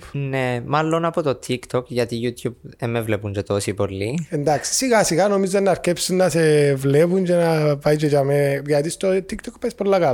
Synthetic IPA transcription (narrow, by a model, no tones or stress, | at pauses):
nemalːo̞nɐpot̪ot̪ʰikt̪ʰokʝɐt̪ijut̪ʰjubemːevlepunt͡ʃet̪o̞sipo̞lːiend̪ɐksi̥siɣɐsiɣɐno̞mizenːɐɾcepsinːɐsevlepund͡ʒenɐpɐjt͡ʃocɐmeʝɐt̪ist̪ot̪ikt̪okpɐispolːɐkɐl